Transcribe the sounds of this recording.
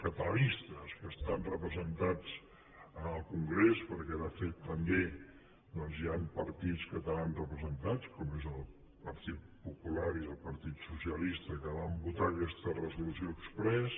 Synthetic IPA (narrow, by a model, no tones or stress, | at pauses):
kət̪əlist̪əskəst̪anrəpɾəzənt̪ad͡z | ənəlˠkuŋɡɾespəɾkɛðəfet̪ːəmbe | d̪ɔnziampəɾt̪it͡skət̪əlanrəpɾəzənt̪at͡skɔmezəlˠ | pəɾt̪it̪̚pupulaɾiðəlˠpəɾt̪it̪susjəlist̪əkəβambut̪akɛst̪ərəzulusjoːkspɾɛs